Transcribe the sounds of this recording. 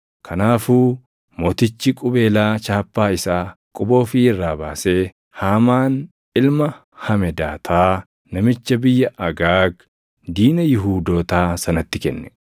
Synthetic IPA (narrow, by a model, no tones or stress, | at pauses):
kʰɐnaːfuː | moːt̪ɪt͡ʃːɪkʼʊbe̞ːlaːt͡ʃaːpːaːɪsaː | kʼʊbo̞ːfiɪrːaːbaːse̞ː | haːmaːn | ɪlmɐ | hɐmɛd̪aːt̪ʰaː | nɐmɪt͡ʃːɐbɪjːɐʔɐɡaːɡ | d̪iːnɐjɪɦuːd̪o̞ːt̪aːsɐnɐt̪ːɪkɛ̰nːɛ̥